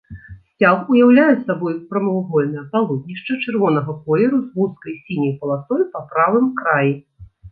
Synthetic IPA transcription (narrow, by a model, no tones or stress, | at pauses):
sʲt͡sʲaxujawlʲajɛsabɔjpɾɐmɐwɣɔlʲnɐjɐpalˠɔd̪nʲiʂt͡ʂɐt͡ʂɨrvɔnɐɣɐkɔlʲɛɾuzɣuskɐjsʲinʲɐjpɐlˠasɔjpɐpɾavɨmkɾaji